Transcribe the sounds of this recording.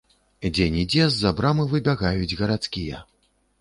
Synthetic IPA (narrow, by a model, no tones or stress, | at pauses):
d͡zʲɛnʲid͡zʲɛzːabɾamɨvɨbʲaɣajud͡zʲɣɐɾat̪skʲijɐ̰